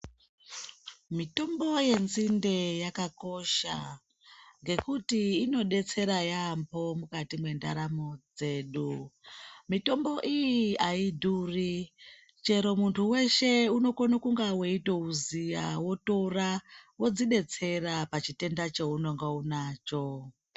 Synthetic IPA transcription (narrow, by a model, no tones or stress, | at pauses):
mito̞mbo̞je̞nzinde̞jakako̞ʃa̰ | ŋɡe̞kutiːno̞ɗe̞t͡se̞ɾajambo̞mukatimwe̞nda̰ɾamo̞d͡ze̞ːɗu | mito̞mbo̞ʔijiaidʱuri | t͡ʃe̞ɾo̞muntʰuwe̞ʃe̞uno̞konokuŋɡawe̞itouzija̰wo̞to̞rawo̞d͡ziɗe̞t͡se̞rapat͡ʃite̞ndat͡ʃeuno̞ŋɡaunaːt͡ʃo̞